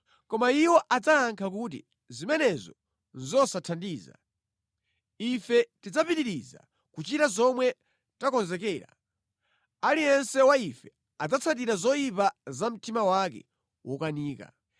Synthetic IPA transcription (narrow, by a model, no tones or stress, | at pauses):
kɔmaiwɔʔad͡zaːŋkʰak̬ut̬ḭ | zimɛnɛzɔ̰ | nzɔsatʰandiːza̰ | ifɛtid͡zapitiɾiza̰ | kut͡ʃitazɔmwɛ | takɔnzɛkɛːɾa̰ | alijɛnsɛwaifɛ | ad͡zat͡sʰat̬iɾazɔjipazam̩timawak̬ɛ̰ | wɔkaniːka̰